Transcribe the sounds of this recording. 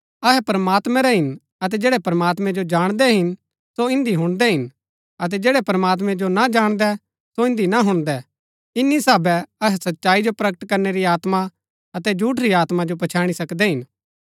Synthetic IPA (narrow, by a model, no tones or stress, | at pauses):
ɐɦɛpɾəmaːt̪mɛ̃ɾɛɦɪn | ɐt̪ɛd͡ʒeːɽɛpɾəmaːt̪mɛ̃d͡ʒod͡ʒaːɽ̃d̪ɛɦɪn | soɪ̃nd̪iɦʊɽ̃d̪ɛɦɪn | ɐt̪̬ɛd͡ʒeːɽɛpɾəmaːt̪̬mɛ̃d͡ʒonad͡ʒaːɽ̃d̪ɛ | soɪ̃nd̪inaɦʊɽ̃d̪ɛ | ɪnːisaːbɛɐɦɛsɐtːʃaːid͡ʒopɾɐkəʈkɐɾneɾiaːt̪ma | ɐt̪ɛd͡ʒʱuːʈʰɾiaːt̪mãd͡ʒop̬ɐt͡ʃʰaːɽ̃isɐkd̪ɛɦɪn